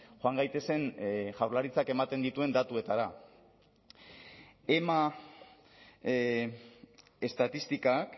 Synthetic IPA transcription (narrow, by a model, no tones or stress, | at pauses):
ʝoaŋɡajt̪e̞se̞nʝawɾlaɾit͡sake̞mat̪e̞nd̪it̪ue̞nd̪at̪ue̞t̪aɾa | e̞ma | e̞st̪at̪ist̪ikak